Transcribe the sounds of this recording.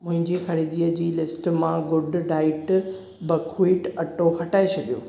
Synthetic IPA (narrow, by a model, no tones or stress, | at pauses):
mʊ̃ɦɪ̃ɲd͡ʑixɐɾiːd̪iːəd͡ʑiːlɪsʈmãɡʊɖɖaːɪʈ | bɐkʰuiːʈɐʈoxɐʈaːet͡ɕʰɐɡijo̰ː